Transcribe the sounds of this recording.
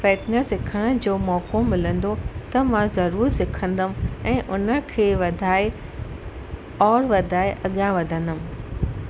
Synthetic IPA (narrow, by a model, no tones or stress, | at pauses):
fɛːʈnəsɪkʰəɽ̃ə̆d͡ʑoːmɔːkomɪlə̃nd̪ot̪ɐmãzɐɾuːɾsɪkʰə̃nd̪əmɛ̃ːʔʊnə̆kʰeːʋɐd̪ʱaːe | ɔːɾʋɐd̪ʱaːeʔɐɠãʋɐd̪ʱə̃nd̪ʊm̆